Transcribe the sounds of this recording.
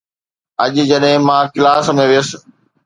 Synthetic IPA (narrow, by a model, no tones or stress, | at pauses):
ɐʄd͡ʑɐɗɦɪ̃mãːkɪlaːsmẽʋɪjəsɪ̥̆